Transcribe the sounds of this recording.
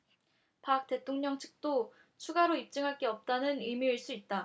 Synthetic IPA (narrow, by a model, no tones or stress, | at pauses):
pak̚t͈e̞tʰoŋɲʌŋt͡ɕʰɯ̥k̚t͈o | t͡ɕʰuɡaɾoip̚t͡ɕ͈ɯŋɦaɭk͈eʌp̚t͈anɯnimiiɭs͈uit̚t͈a